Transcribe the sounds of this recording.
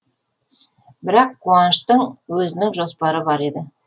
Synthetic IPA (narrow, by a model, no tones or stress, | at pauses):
bɪɾɑqʰːuɑnəʃt̪əɴwɵzɪnɪŋʒo̞spɑɾəbɑɾe̞d̪ɪ